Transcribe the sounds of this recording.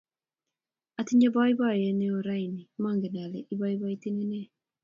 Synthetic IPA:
a˨ti˦ɲa˦ba˦i˦βa˦˨jɛ˨˦ne˦o˨ɾa˦i˨ni˨ma˦˨ŋɡe˨n˨a˨le˨ʔi˦βa˦i˦βa˦i˦ti˦ne˦nɛ˦˨

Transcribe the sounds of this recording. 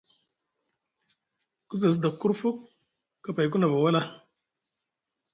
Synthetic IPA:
ku˦za˨s̬da˨kːu˦ɾfu˦kː | a˨pa˨jku˦na˨ba˨wa˦la˦

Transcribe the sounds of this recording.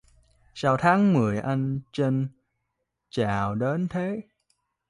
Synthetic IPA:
saː˧wt̪ʰaː˨˦ŋmɨ˨˩əjʔa˧jŋ̟t͡ɕe˧n | t͡ɕaː˧˨wɗe˨˦nt̪ʰe˨˦

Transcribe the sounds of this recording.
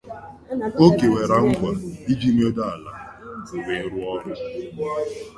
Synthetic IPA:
o˦ke˨we˨ɾa˦ŋ̩˦ɡʷa˨i˦d͡ʒi˦mi˦o˦da˦˨a˨la̰˨we˨˦ɾʊ˦ɔ˦ɾʊ˨

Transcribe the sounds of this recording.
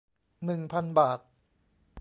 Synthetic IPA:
nɯ˨˩ŋpʰa˧nbaː˨˩t̪̚

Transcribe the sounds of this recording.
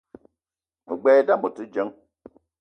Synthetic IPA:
mɨ˨ɡ͡bɛː˦da˦mu˨tɨ˦d͡ʒə˦ŋ

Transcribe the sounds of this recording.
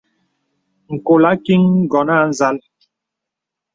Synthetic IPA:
ŋ̩˨ko˨la˦ki˦ŋ˦ɡɔ˨na˦˨n̩˨za˦l

